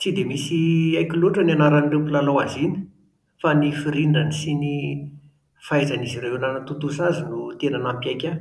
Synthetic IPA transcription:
t͡sid̪emisiajkʲuluʈ͡ʂənanaɾanɖ͡ʐempulalowazini̥ | fanifiɾiɳɖ͡ʐanisini | fajzanizireenanət̪ut̪usazinut̪enanampiajkʲa

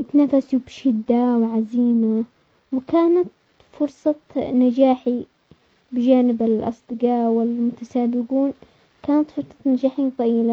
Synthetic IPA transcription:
t̪nafasubʃɪd̪ːawʕaziːma | wɪkaːnat̪ | fʊɾsˤɑt̪nad͡ʒaːħi | bɪd͡ʒaːnɪbɪlʔɑ̰sˤd̪ɨqɑːʔwɪlmʊt̪asaːbɪɡuːn | kaːnat̪fʊɾsˤɑ̥t̪nad͡ʒaːħint̪ˤɑjɪːla

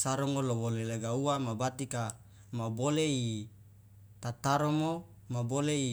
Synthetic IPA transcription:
saɾɔŋolowoleleɡauamabat̪ika | mabolei | t̪at̪aɾomo | mabolei

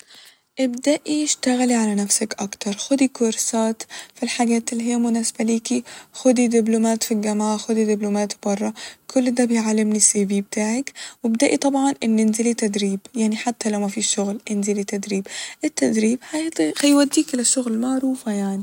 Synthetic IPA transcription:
ʔɪbd̪aʔiɪʃt̪aɣaliʕalanafsakʔakt̪ɑɾˤxʊd̪ikʊɾsaːt̪filħaɡaːt̪ɪlːiɦijːamʊnaːsbaliːkixʊd̪id̪ɪblʊmaːt̪filɡamaʕaxʊd̪id̪ɪblʊmaːt̪bɑrˤːɑkʰʊlːd̪aːbɪjʕalːɪmnisiːbiːb̚t̪aːʕakwɪbd̪aʔit̪ˤɑbʕɑnʔɪnːɪnzɪlit̪ad̪ɾiːbjaʕniħat̪ːalawmafiʃːʊɣlʔɪnzɪlit̪ad̪ɾiːbʔɪt̪ːad̪ɾiːbħaxajwad̪ːiːkʔɪlaʃːʊɣlmaʕɾuːfajaʕni

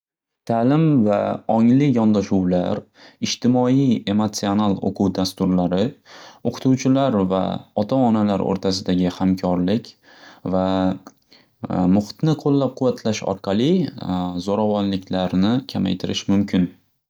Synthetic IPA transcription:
t̪ʰalɪmvaɒŋlɪjɒnd̪aʃuwla̰ɾ | ɪd͡ʒt̪ʰɪmɒije̞mot̪sio̞nalˠo̰qʰuwd̪ast̪ʊɾlaɾɪoqʰʊ̥t̪ʰuwt͡ʃʰɪlaɾva̰ɒt̪ʰaɒnalaɾo̰ɾt̪ʰasɪd̪aɡʲɪhamkʲʰɒɾlɪkʲ | va | mʊχt̪nɪqʰolːap̚qʰʊwːat̪ʰlaʃɒ̰ɾqʰɑlˠizoɾavɒnlɪkʲlaɾnɪkʲʰama̰jt̪ʰɪɾɪʃmʊmkʲʰɪn

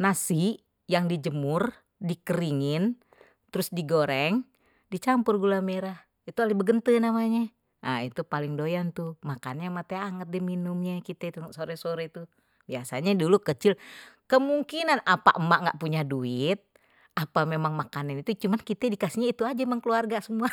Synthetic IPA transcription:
nasi | jaŋdid͡ʒəmʊr | dikəɾiŋɪn | t̪əɾʊsdiɡoɾɛŋ | dit͡ʃampʊrɡulameɾah | it̪ualihbəɡənt̪ənamaɲa | ʔait̪upalɪŋdojant̪umaka̰nɲamat̪ɛaŋət̪̚diminumɲakit̪ɛit̪usoɾɛsoɾɛt̪u | biasaɲadulukət͡ʃɪlkəmuŋkinanapa̰ʔmaʔŋɡa̰ʔpuɲaduɪt̪̚ | apamemaŋmakananit̪ut͡ʃumankit̪ɛdikasiɲait̪uad͡ʒamaŋkəluarɡasəmua

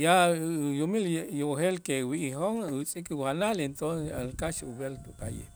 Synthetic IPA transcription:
jajumiljohelkewiʔihoŋut͡sʼikuhanalent̪onsealkaʃubelt̪upa̰jḛ

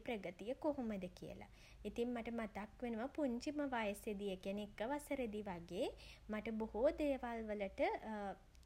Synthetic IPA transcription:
pɾəɡət̪ijəkoɦuməd̪əkijə̰la̰ | it̪iŋmaʈəmat̪akʋenuʋəpuɲt͡ʃiməʋajəsed̪ijəkenekːəʋasəɾed̪iʋaɡeːmaʈəbohod̪eːʋalʋələʈə

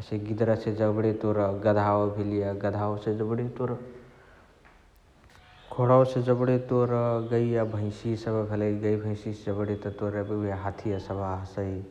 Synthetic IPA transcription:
əseɡid̪ɾased͡ʒəbɽet̪oɾɡəd̪ʱabʱilijaɡəd̪ʱaosed͡ʒəbɽet̪oɾ | kʰoɽaosed͡ʒəbɽet̪oɾɡəijabʱə̃ɪ̃sisəbəbʱələiɡəibʱə̃ɪ̃sisd͡ʒəbɽet̪ət̪oɾəbibʱiɦat̪ʰijasəbʱaɦəsəi

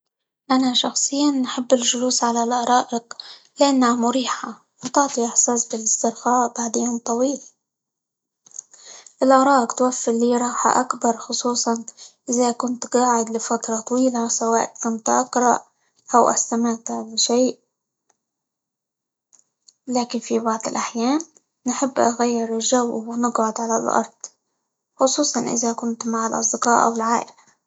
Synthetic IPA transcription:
ʔanaʃɑxsˤɨjːanːħɪbːɪlʒʊluːsʕalalʔɑɾˤɑːʔɪq | lɪʔanːhamʊɾiːħa | wɪt̪ʊʕt̪ˤiʔɪħsaːsbɪlɪst̪ɪɾqaːʔb̥aʕd̪ɪjːant̪ˤɑwiːl | ʔɪlʔɑɾˤɑːʔɪqt̪wafːɪɾliːɾˤɑːħa̰ʔakbɑɾˤxʊsˤuːsˤɑnʔɪðakʊnt̪ɡɑːʕɪd̪lɪfat̪ɾˤɑt̪ˤɑwiːlasawaːʔ̪kʊnt̪ʔɑqɾˤɑʔ | ʔawʔa̰st̪amɪʕt̪alɪʃeːʔ | laːkɪnfibɑʕd̪ˤɪlʔaħjaːnː | ħɪbːʔaɣajːɪɾɪlʒawwɪnɪɡʕʊd̪ʕalalʔɑ̰ɾˤd̪̥ˤ | xʊsˤuːsˤɑnʔɪ̰ðakʊnt̪maʕalʔɑ̰sˤd̪ɪqɑːʔa̰wɪlʕaːʔɪla

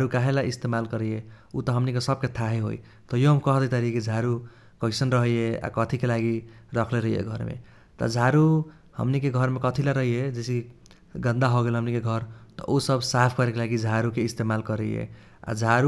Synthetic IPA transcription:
aɾukaɦelaist̪emalkʌɾəje | ut̪ʌɦʌmnikesʌb̚ket̪ʰaɦeɦo̰i | t̪ʌjoɦʌmkʌɦd̪ʌt̪aɾiked͡zʱaɾu | kʌɪsʌnɾʌɦejea̰kʌt̪ʰikelaɡiɾʌkʰleɾʌɦijḛɡʱʌɾmḛ | t̪ʌ̰d͡zʱaɾu | hʌ̰mnikeɡʱʌɾmekʌt̪ʰilaɾʌɦied͡ʒesi | ɡʌnd̪aɦoɡelɦʌmnikeɡʱʌɾt̪ʌ̰ʔusʌbsapʰkʌɾekelaɡid͡zd͡ʒʱaɾukeist̪emalkʌɾḛjḛ | a̰d͡ʒʱaɾu

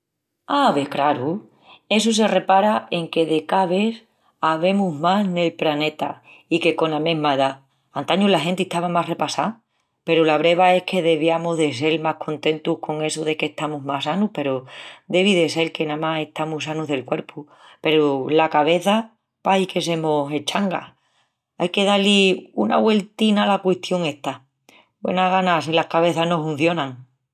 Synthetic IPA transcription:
aβekɾaɾu | e̞s̬us̬e̞re̞paɾaʔe̞ŋke̞ðe̞kaβe̞θ | aβe̞muɦmasne̞lplane̞t̪a̰ | ike̞ko̞name̞ɦmaeða | ant̪aɲulaɦe̞nt̪eht̪aβamare̞pasa | pe̞ɾulaβɾe̞β̞ae̞hke̞ðe̞βjamuðes̬e̞lmahkʰo̞nt̪e̞nt̪uhkʰo̞ŋe̞soðe̞keht̪amuɦmasanupe̞ɾod̪e̞β̞iðe̞se̞lke̞namase̞ht̪amusanuɦðe̞lkwe̞ɾpʰu | pe̞ɾolakaβ̞e̞θa | paike̞s̬e̞mose̞t͡ʃaŋɡa̰ | ajke̞ðaliuna̰βwe̞lt̪inalakwe̞ht̪jo̞ŋe̞ht̪a | bwe̞̰naɣanasilahkaβ̞e̞θaɦno̞fun̟θjo̞nãŋ

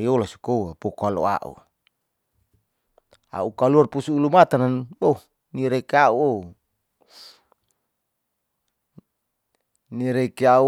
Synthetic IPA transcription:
iolasu̥kowapɔkoalo̰a̰ʔṵ | a̰ukaluarpusuːlumat̪ananbou | niɾekeauo | niɾekeau

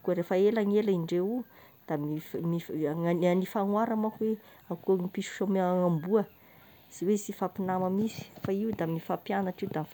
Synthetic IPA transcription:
kuɾefəelaŋelaiɳɖ͡ʐeu | d̪̥amimianifaŋwaɾamakwe | akuəŋipisu̥ʃomeŋambuə | z̥iwesifapinaməmisi̥faiud̪amifapjanaʈ͡ʂiud̪amif

